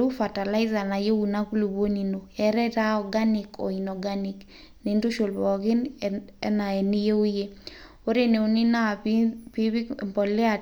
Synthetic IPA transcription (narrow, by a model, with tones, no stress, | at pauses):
u˦fa˨ta˨la˦ɪ˦za˨na˨je˦wu˨na˦ku˦lu˨bo˦ni˨no˨ɛ˨ɾɛ˦ta˦ɔ˨ɡa˦ni˨kɔ̰˨inɔ˨ɡa˦ni˨k | ni˨ndo˦ʃo˨lbɔ˨ɡɪ˦nɛ̰˦na˨e˨ni˦je˦u˦je˦ | o˦ɾe˦ne˨o˨ni˦na˦˨pi˦βi˦mbɔ˨lɛ˦a˨